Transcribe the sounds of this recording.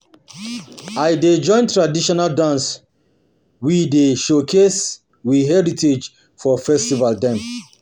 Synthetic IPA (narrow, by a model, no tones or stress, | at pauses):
aɪded͡ʒɔ̃ɪ̃ntɹadiʃɔnaldãns | wideʃokʰes | wiɦɛɹitʰed͡ʒ | fɔfɛstivaldɛ̃m